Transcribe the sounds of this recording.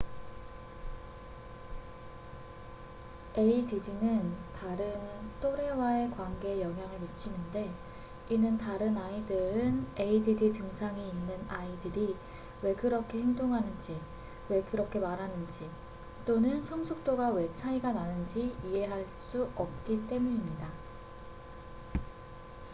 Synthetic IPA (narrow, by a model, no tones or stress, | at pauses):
eididinɯntaɾɯnt͈ʰoɾe̞wae̞kwanɡe̞jʌŋɦjaŋɯɭmit͡ɕʰinɯnde̞ | inɯntaɾɯnaidɯɾɯne̞ididitɯŋsʰaŋiinːɯnaidɯɾi | we̞kɯɾʌkʰe̞heŋdoŋɦanɯnd͡ʑi | we̞kɯɾʌkʰe̞maɾɦanɯnd͡ʑi | t͈onɯnsʰʌŋsʰuk̚t͈oɡawe̞t͡ɕʰaiɡananɯnd͡ʑiije̞ɦaɭs͈uʌp̚k͈it͈e̞muɲimɲida